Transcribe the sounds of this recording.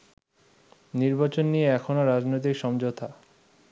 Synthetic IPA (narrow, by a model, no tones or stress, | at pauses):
niɾbat͡ɕonːieɛkʰonoɾad͡ʑnojt̪̬ikʃɔmd͡ʑot̪ʰa